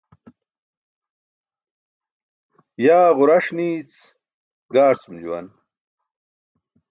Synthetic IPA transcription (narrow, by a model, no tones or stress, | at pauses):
jaːʁʊɾɐʂniːt͡s | ɡaːɾt͡sumd͡ʑṵwɐ̰n